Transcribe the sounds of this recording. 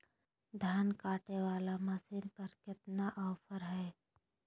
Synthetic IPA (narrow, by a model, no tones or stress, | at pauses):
d̪ʱjaːnkaːʈeʋaːlamɐsɪnpɐɾkɪt̪naʔɔːpʰəɾɦɛː